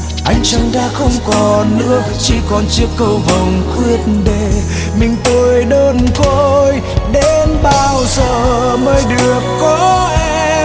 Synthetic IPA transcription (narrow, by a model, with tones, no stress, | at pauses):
ʔa˧jŋ̟t͡ɕa˧ŋɗaː˧˥xə˧wŋ͡mkɔ˨˩nnːɨ̰˧˥ək̚t͡ɕi˧˩˦kɔ˨˩nt͡ɕɨ˦˥əkːə˧wvə˨˩wŋ͡mxwi˧ət̚nɗe˧˩ | mï˨˩ŋ̟t̪o˧˩jɗəː˧nko˧j | ɗe˧nɓaː˧˩wzəː˨˩ | məː˧˦jɗɨ˨˩ək̚ːɔ˨˦ʔe˧